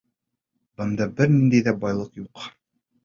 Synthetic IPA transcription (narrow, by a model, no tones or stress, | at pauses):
bɤ̆nd̪ɑbɘɾnind̪æjðæbɑjlˠɤqjuq